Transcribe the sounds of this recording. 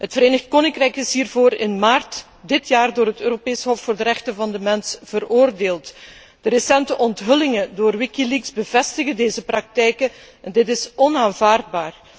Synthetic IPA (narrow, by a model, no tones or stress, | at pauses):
ɦətfəɾeːnəxt̚koːnɪŋkrɛjkɪsɦiːrvoːɾɪnmaːrt | dɪtjaːrdoːrɦətøːɾopeːsɦɔfːoːrdəɾɛxtənvɑndəmɛnsv̥əroːrdeːlˠt | d̥əɾəsɛntəʔɔntɦɵlɪŋədoːrwɪkilikzbəvɛstəɣədeːzəprɑk̚tɛjkə | ɛndɪtɪsɔnaːnvaːrd̚baːr